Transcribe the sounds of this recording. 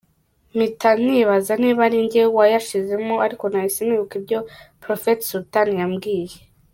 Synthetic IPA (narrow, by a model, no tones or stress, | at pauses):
mitan̥iβazaniːβaɾiɲɟewajaʃize̞moaɾiko̞najisiniɾukibɟo̞pɾo̞fetsutanijamɡiːje